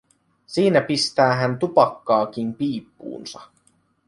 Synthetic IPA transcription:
siːnæpist̪æːɦænt̪upɑkːɑːk̟impiːpːṵːnsɑ

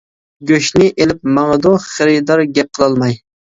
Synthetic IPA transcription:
ɡʲɵʃnɪʔelɪp̚mɑŋɨd̪oχɨɾɪd̪ɑɾɡʲɛp̚qʰːɨlˠɑlˠmɑj

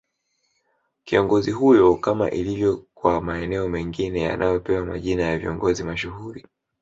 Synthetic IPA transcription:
kiɔŋɡɔziɦujɔkama̰ʔilivjɔkwamaɛnɛɔmɛŋɡinɛja̰nʔajɔpɛwama̰ʄinajaviɔŋɡɔzimaʃuhuɾi

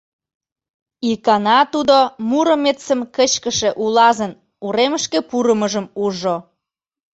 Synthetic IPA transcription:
ikɑnɑt̪ud̪omuɾə̆metsəmkət͡ɕkəʃeʔulɑzən | uɾeməʃkepuɾəməʒəmuʒo

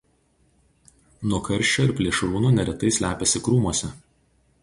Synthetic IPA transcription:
nuɔkʰɐɾʲʃʲt͡ʃʲoɪɾpʲlʲiːʃɾuːnuːnʲɛɾʲɛt̪ɐɪsʲlʲæːpʲɛsʲɪkɾuːmuɔsʲɛ

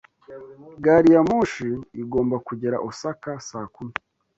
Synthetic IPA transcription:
ɡaɾijamuʃiːɡo̞ːmbakuɟeɾa̰ʔosakasaːkumi

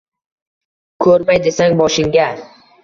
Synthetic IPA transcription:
kʰɵɾmajd̪e̞saŋbɒʃɪŋɡʲa

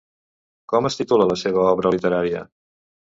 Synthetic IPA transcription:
kɔməst̪it̪ulələseβ̞əɔβɾəlit̪əɾaɾiə̰

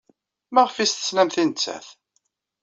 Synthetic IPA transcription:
mæʁfist̪ə̥snæmθint͡sːæ̰θ

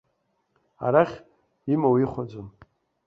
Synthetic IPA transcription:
a̰ɾaχʲ | imawiχʷad͡zʷom

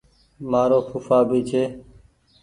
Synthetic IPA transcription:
maːɾoːkʰʊːfaːbiːt͡ʃʰeː

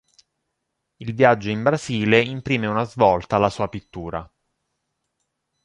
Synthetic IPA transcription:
ilvjad͡ʒːoimbɾaziːleimpɾiːmeunazvɔlt̪alasuːapit̪ːuːɾa

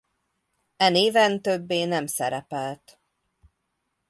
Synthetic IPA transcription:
ɛneːvɛnt̪øbːeːnɛmsɛɾɛpɛlt̪

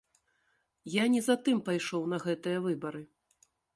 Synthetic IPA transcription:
janʲɛzat̪ɨmpajʂɔwn̪ɐɣɛt̪ɨjɐvɨbɐɾɨ

